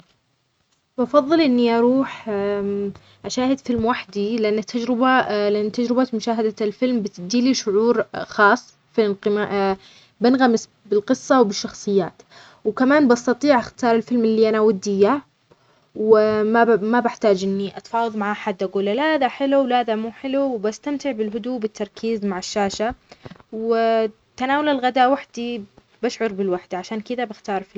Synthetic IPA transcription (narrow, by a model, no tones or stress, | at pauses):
bɑfɑðˤːɨlʔɪnːiʔɑɾˤuːħ | ʔaʃaːhɪd̪fɪlmwaħd̪ilɪʔanːat̪ʰːad͡ʒɾɪbalɪʔanːt̪ːad͡ʒɾɪbamʊʃaːɦad̪alfɪlmbɪt̪d̪iːliʃʊʕuːɾxɑːsˤː | fɪnqɪmaʔ | bɪnɣamɪs | bɪlqɨsˤːɑwbɪʃːɑxsˤɨjːaːt̪ | wkamaːnbɑst̪ɑt̪ˤiːʕʔaxt̪ɑːɾˤɪlfɪlmɪlːiːʔanawad̪ːɪjːa | wmamabɪħt̪aːd͡ʒʔɪnːiʔat̪fɑːwɑðˤmaʕaʔħad̪ʔaɡuːlːalahaðaħɪluwlhaːðamuːħɪluwbast̪amt̪ɪʕbɪlɦʊd̪uːbɪt̪ːɑɾˤkʰiːzmaʕɪʃːaːʃaw | t̪anaːwalalɣad̪aːʔwaħd̪i | baʃʕʊɾbɪlwaħd̪̥ʕaʃaːnkɪd̪abɪxt̪ɑːɾˤfɪ